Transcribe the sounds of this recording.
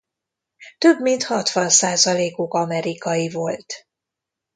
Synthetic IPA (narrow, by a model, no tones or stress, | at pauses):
t̪øbmint̪hɒt̪ʋɒnsaːzɒleːkokɒmɛɾikɒjivo̞lt̪